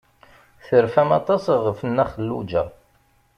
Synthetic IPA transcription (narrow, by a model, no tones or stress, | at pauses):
θəɾfæmɑ̰t̪ˤɑsʁəfnːæχəlːṵd͡ʒæ̰